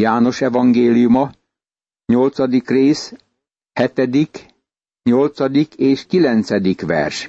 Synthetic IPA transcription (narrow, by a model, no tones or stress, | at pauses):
jaːno̞ʃɛvɒŋɡeːlijumɒ | ɲo̞lt̪sɒd̪ikreːs | hɛt̪ɛd̪ik | ɲo̞lt̪sɒd̪ikeːʃkilɛnt̪sɛd̪ikʋɛ̰rʃ